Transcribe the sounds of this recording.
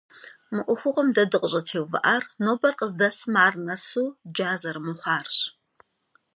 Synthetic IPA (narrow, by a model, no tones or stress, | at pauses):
mɨʔʷʊxʷʊqɔmdɐdɨqʼəɕʼɐtʰeːwvɐ̰ʔaːrnoːbɐrqəzdɐsmaːrnɐsuːd͡ʒaːzɐrmɨχʷɑːrɕ